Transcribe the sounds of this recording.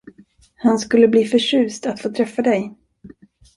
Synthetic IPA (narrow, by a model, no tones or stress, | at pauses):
hanskɵlːəbliːfœʂʉ̟ːst̪at̪foːt̪ʰɾɛfːad̪ɛj